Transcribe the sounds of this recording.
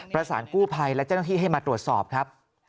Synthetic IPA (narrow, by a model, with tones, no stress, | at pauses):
pɾa˧sa̰ː˩˦nkuː˥˩pʰa˧jlɛ˦˥t͡ɕa˥˩na˥t̪ʰiː˥˩ɦa˥˩jmaː˧t̪ɾu˨˩ət̪̚sɔ̰ː˨˩p̚kʰɾa˦˥p̚